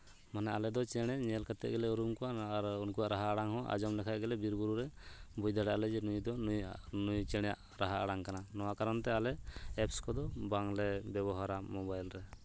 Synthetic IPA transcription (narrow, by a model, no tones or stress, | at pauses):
manɛʔalɛd̪ɔt͡ʃɛɽ̃ɛɲɛlkʰat̪ɛ̰ʔɡɛlɛuɾumkuaaɾunkuaʔɾaɦaɽaŋɦɔ̃ʔa̰d͡ʒɔmlɛkʰaʔɡɛlɛbiɾbuɾuɾɛbujd̪aɽaaʔlɛd͡ʒɛnujd̪ɔujnujt͡ʃɛɽ̃ɛja̰ʔ | ɾaɦaʔaɽaŋkananɔwakaɾɔnt̪ɛalɛɛpskɔd̪ɔbaŋlɛbɛβɔɦaɾamɔbajlɾɛ